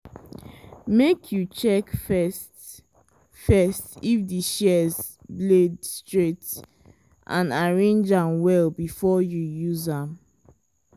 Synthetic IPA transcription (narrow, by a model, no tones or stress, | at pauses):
mekʰjut͡ʃɛkfɛst | fɛstifdiʃɛz | bledstɹet | ʔãnaɹẽnd͡ʒãmwɛlbifɔjujuzãm